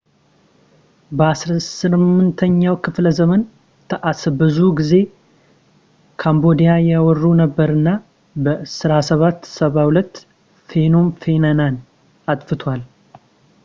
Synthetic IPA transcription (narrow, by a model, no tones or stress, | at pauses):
bəasɾəsɨmɨnt̪ʰəɲːawkʰɨfləzəmən | t̪ʰəʔasbɨzuɡize̞ | kʰambo̞d̪ijajawɔrːunəbːəɾɨnːa | bəʔsɾasəβat̪ːsəβahulət̪ː | fe̞nomfe̞nanan | at̪ʼfɨt̪ʰwal